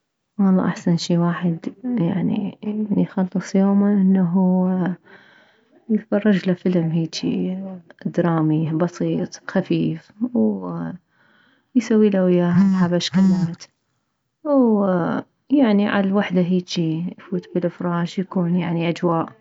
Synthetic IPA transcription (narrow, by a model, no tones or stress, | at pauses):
wɑlˤːɑ̰ʔaħsanʃiːwaːħɪd̪jaʕnḭnijxɑlːɨsˤjoːmaʔɪnːaɦu | jɪt̪fɑrˤːɑd͡ʒlafɪlmɦiːt͡ʃḭ | d̪ɾˤɑːmibɑsˤiːt̪ˤxafiːfw | jsawːiːlʔawjaːħabaʃkalaːt̪ | w | jaʕniʕa̰lawaħd̪aɦiːt͡ʃijfuːt̪bɪlʔɪfɾˤɑːʒjakuːnjaʕniʔad͡ʒwaːʔ